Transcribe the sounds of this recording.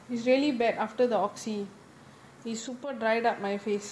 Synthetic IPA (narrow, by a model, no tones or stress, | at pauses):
hisɹiəlibɛtaftəd̪əɔksi | hisːupədɹajdap̚majfes